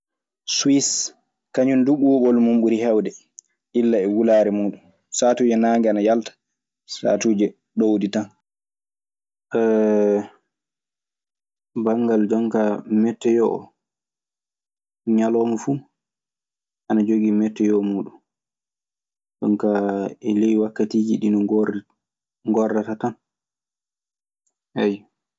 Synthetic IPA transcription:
swis | kaɲunduɓuːɓɔlmumɓuɾihɛwdɛ | ʔilːaɛwulaɾɛmuːɗun | saːtuːd͡ʒɛnaːŋɡɛanajaltḁ | sa̰ːtud͡ʒɛ | ɗowditan | ʔɛ | baŋɡald͡ʒɔŋkamɛtːɛjɔʔɔ | ɲalɔːmɔfu | ʔanad͡ʒoɡimɛtːɛjɔmuːɗun | d͡ʒɔ̰ŋkaɛlejwakːatiːd͡ʒiɗinɔɡr | ŋɡɔrːatatan | ɛj

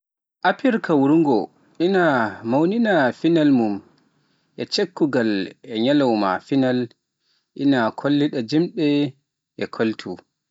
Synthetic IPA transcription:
ʔapiɾkawuɾuŋɡɔ | ʔinamawninafinalmum | ʔɛt͡ʃekːuɡalɛɲalawma̰final | ʔinakʰolːiɗad͡ʒimɗɛ | ʔɛkʰoltʰu

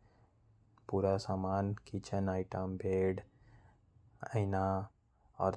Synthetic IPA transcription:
puɾasamaːnkit͡ʃʰənajʈəmbʱeɽ | əna | ʌ̰ɾ

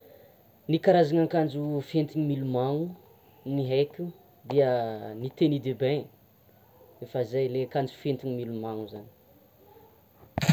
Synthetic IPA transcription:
nikaɾazaŋaŋkand͡ʒufent̪iɲimilumaŋu | niɦekʲu | d̪iənit̪enid̪ebẽ | efəizajlekand͡ʒu̥fent̪iɲimilumaŋuzani̥

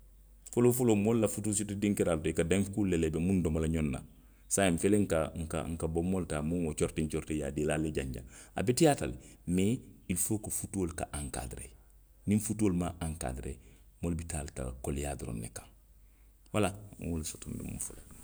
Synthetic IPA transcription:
folofolomolːafutus̬itudiŋkeɾaltoikadeŋfkulːelebemundomalaɲonːa̰ | sajeɱfeleŋkaŋ̩ka̰ŋ̩kabomːoltaːmuŋot͡ʃoɾtiɲt͡ʃoɾteja̰dilaleɟaɲɟa̰a̰betijata̰lmeilfokofutuoːlkaʔaŋka̰ːdiɾḛ | ninfutuoːlmaaŋka̰diɾḛ | molbitalta̰kolja̰diɾo̰nːḛkḁŋ | walawulsotumbḭmmufolo

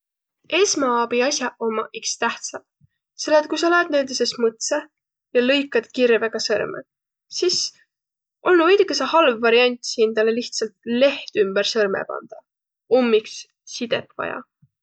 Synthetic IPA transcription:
eːsmɑɑb̥iɑsʲjɑomːɑʔikst̪æht̪sɑb | selːet̪̚kujsoled̪neːld̪isesmɤt̪se | jɑlɤjkːˑɑd̪̥kirveɡ̥ɑsɤrmḛ | sis | ʔo̞lnuɤjd̪ukːˑesehɑlvːɑɾiɑnʲt̪ʲsind̪̥ɑle̞liht̪sɑlt̪le̞ht̪ymb̥ersɤrmḛb̥ɑ̰nd̪̥ɑ | omːiks | sid̪̥e̞̰pvɑ̰jɑ̰

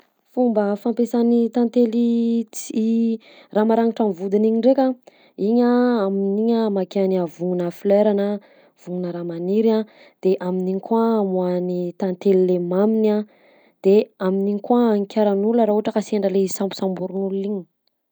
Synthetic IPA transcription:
fumbəfampesanit̪ant̪elit͡si | ramaɾaŋiʈ͡ʂamvud̪iniɲiɳɖ͡ʐekʲa | iɲaːminiɲəmakeaniavuŋunafileɾanə | v̥uŋunəɾamaniɾa | d̪̥eʔaminiɲikʰwamuanit̪ant̪elilemamina | d̪̥eaminiɲikwaːŋkʲaɾanuləɾauaʈ͡ʂəkaseɳɖ͡ʐəlesampu̥sambuɾunuluiɲi̥

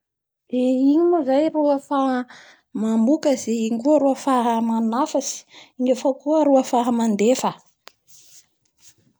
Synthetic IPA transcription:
deiɲimuzajruafaɦ | mambukəzeiɲkuaɾuafaɦəmanafasi̥iɲafakuəɾuafaɦəmand̪efə

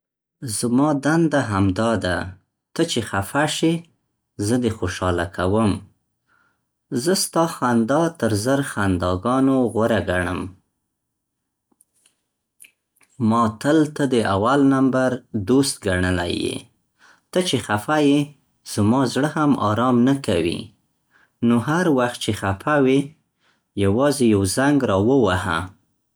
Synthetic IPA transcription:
zmɑd̪and̪aɦamd̪ɑd̪a | t̪ət͡ʃexafaʃi | zəd̪exoʃɑlakʰawəm | zəst̪ɑxand̪ɑt̪əɾzəɾxand̪ɑɡɑnoɣwəɾaɡaɳə̰m | mɑt̪əlt̪əd̪əawalnambaɾd̪ost̪̚ɡaɳəla̰jḛ | t̪ət͡ʃexafaje | z̥əmɑzɽəhamɑ̰ɾɑmnakawḭ | noɦaɾwaxt̪̚t͡ʃexafawe | jawɑzejawzaŋɡɾɑwəwaha̰

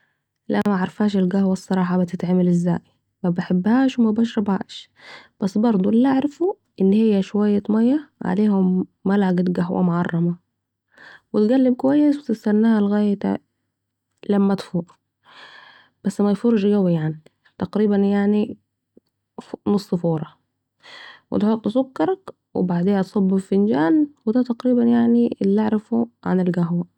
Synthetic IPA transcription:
lʔa̰ʔmaʕɑɾˤfaːʃɪlɡahwasˤːɑɾˤɑːħɑbɪt̪ɪt̪ʕamalʔɪzːa̰ːj | mæbɪħebːhaːʃwɪmæbaʃ̬ɾˤɑbha̰ːʃ | b̥æsːbɑɾˤd̪ˤuʔlːʔaʕɾɪfu | ʔɪnːhɪjːæʃwajːat̪mæjːaʕa̰leːhʊmːalʕaɡat̪ɡaɦwʔa̰mʊʕɑrˤːɑmɑ | wɪt̪ɡælːɪb̚kʊwajːɪswɪt̪ɪst̪anːaːhalɣaːjt̪a̰ | læmːæt̪fuːʔ | b̥æsːmæjfoɾˤʒɡæwijaʕni | t̪ɑqɾiːbænjaʕni | fnosˤːfoːɾˤɑ | wɪ̰t̪ħot̪ˤːsʊkːɑɾˤɑk | wɪ̰baʕd̪eːht̪sˤɑbːɪfɪnd͡ʒaːnwɪd̪æt̪ɑqɾiːbænjaʕniɪlːaʕɾɪfuʕa̰nɪlɡæɦwæ

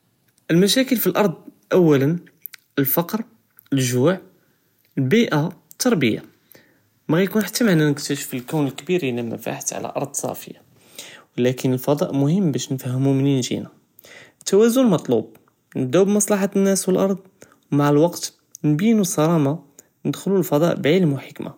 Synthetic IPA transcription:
ʔəlmæʃækəlfilʔɑɾˤd̪ˤʔæwːælən | əlfɑqɾ | əlʒuʕ | əlbiʔa | t̪ʰːɑɾˤbə̰jːa̰ | mæɣæjkunħḁt̪ːæmaʕnænəkt̪æʃə̥fəlkæwnəlkbiɾinæmæ̰fa̰ħt̪ʕa̰læ̰ʔɑ̰ɾˤd̪ˤsˤɑ̰fəja̰ | wlækənəlfɑd̪ˤɑʔmʊhəmːbæʃnfæhəmuməninʒḭna | ət̪ːæwæzʊnəlmɑt̪ˤlṵb̚ | nəd̪æbmɑsˤlɑħanːæswəlʔɑɾˤd̪ˤ | wmaʕəlwɑqt̪ | nbinusˤɑɾˤɑma | nəd̪xlulfɑd̪ˤɑ̰ʔbʕiləmwħəkmʔa̰

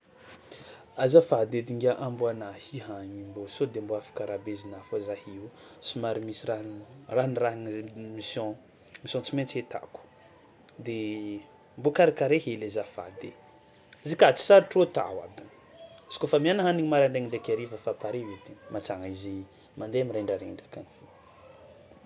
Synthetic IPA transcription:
azafad̪ed̪iŋɡʲaʔamboanahiɦaɲimbosod̪emboafḁkaɾabezinafozahiusimaɾimisiraraniraŋmisjɔ̃ | misjɔ̃t͡simẽt͡set̪a̰ku̥ | d̪e | mbokaɾakaɾehelezafa̰d̪e | zikat̪i̥saɾiʈ͡ʂot̪a̰wa̰bi | si̥kofamianaɦaniɲimaɾaɳɖ͡ʐeŋiɳɖ͡ʐekʲeɾivəfapaɾewet̪emat͡saŋaizi | mand̪eamiɾeɳɖ͡ʐaɾeɳɖ͡ʐakanifo

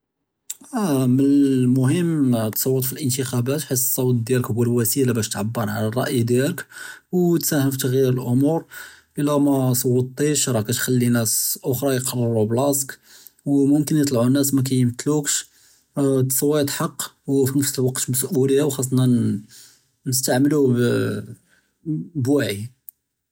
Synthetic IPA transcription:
ʔæmənmʊhəmːt̪sˤɑwːət̪ˤfilʔənt̪əxæbæt̪ħəs̬sˤːɑwt̪̚ˤd̪jæləkbəlwæsilæbæʃt̪ʕabːəɾˤʕalærˤɑʔjd̪jæləkwt̪sæhəmft̪əɣjiɾəlʔʊmuɾʔəlːæmæsˤɑwːət̪ˤːiʃɾˤɑkæt̪xælːinæsʔʊxɾˤɑjəqɑrˤːəɾublɑsk | wmʊmkənjət̪ˤlʕunːæsmæk̬æjəmt̪lukʃ | t̪sˤɑwːit̪ħɑqːwfinəfsəlwɑqt̪məsʔuləjːawxɑs̬ˤːnɑ | nəst̪aʕməlu | bwæʕi

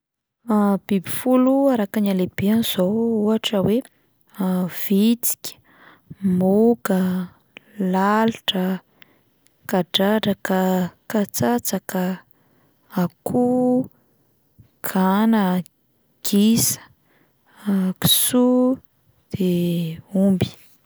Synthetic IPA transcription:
b̥ibifuluaɾakaɲalebianiz̥ouaʈ͡ʂəwe | v̥it͡si̥kʲə̥ | mukə | laluʈ͡ʂə | kaɖ͡ʐaʈ͡ʂakəkat͡sat͡sakə | akʰu | ɡ̥ʰanə | ɡ̥isə̥ | ki̥su | d̪̥e | umbi̥

